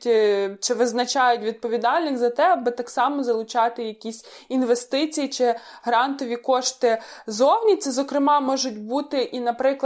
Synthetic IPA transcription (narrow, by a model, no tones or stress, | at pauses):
tʲt͡ʃɪʋɪznɐt͡ʃɑjʊtʲʋʲid̪̚pɔʋʲid̪ɑlʲnɪxʲzɐt̪ɛɐbɪt̪ɑksɑmɔzɐlˠʊt͡ʃɑt̪ɪjɐkʲisʲ | inʋest̪ɪt͡sʲijit͡ʃɪ | ɦɾɑnt̪ɔʋʲikɔʃt̪ɪzɔwnʲit̪sɛzɔkɾɪmɑmɔʒʊt̚ʲbut̪ɪʔinɐpɾɪklˠ